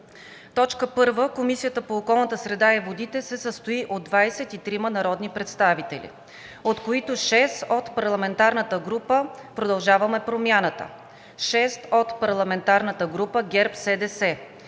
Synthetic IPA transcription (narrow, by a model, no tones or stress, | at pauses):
t̪ɔt͡ʃkəpɤɾvəkomisijət̪əpoːkɔlˠnət̪əsɾɛd̪aɛvod̪it̪ɛsɛsəst̪oiʔod̪ːvajsɛt̪it̪ɾimənɐɾɔd̪nipɾɛt̪st̪avit̪ɛ̰lʲḭ | ot̪koit̪oʃɛst̪ot̪pɐɾlˠɐmɛnt̪aɾnət̪əɡɾupəpɾod̪ɐlˠʒavɐmɛpɾomʲjanət̪ə̰ | ʃɛst̪ot̪pɐɾlˠɐmɛnt̪aɾnət̪əɡɾupəɡʲɛɾpsɛd̪ɛsɛ